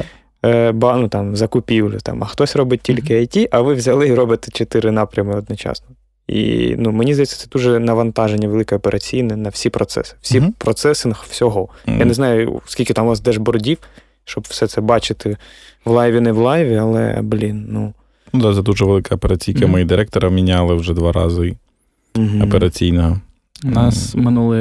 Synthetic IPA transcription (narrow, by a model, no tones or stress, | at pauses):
bɑnut̪ɑmzɐkʊpʲiwlʲʊ̰t̪ɑ̰mɐxt̪ɔsʲrɔbɪt̚ʲtʲilʲkɪɐjtʲiʔɐʋɪʋzʲɐlˠɪiɾɔbɐt̪ɪ̥t͡ʃet̪ɪɾɪnɑpɾʲɐmɪɔd̪nɔt͡ʃɑ̰snɔ | ḭnumenʲizd̪ɐjɛt͡sʲːɐ̥t̪sɛd̪uʒɛnɐʋɐnt̪ɑʒenʲːɐʋelˠɪkɛɔpeɾʔɐt͡sʲijnɪnɐwsʲipɾɔt̪sɛ̰sɪ̥w̥sʲipɾɔt̪sɛsɪnɐxwsʲɔɦɔjaneznɑjʊskʲilʲkɪt̪ɑmʋ̪ɑsd̪ɛʒbɔɾɔdʲiw | ʃt͡ʃɔbwsɛt̪sɛbɑt͡ʃɪt̪ɪ | ʋlˠɑjʋʲinɛʋlˠɑjʋʲiɐlˠɛ̰blʲinnu | nud̪at̪ɛd̪uʒɛʋelˠɪkɐɔpeɾɐt͡sʲijkɪmɔjid̪ɪɾɛk̚t̪ɔɾɐmʲinʲalˠɪwʒɛd̪ʋɑɾɑ̰zɪ | m̩ɦɔpeɾɐt͡sʲijnɔɦɔ | nɑsmɪnulˠɪ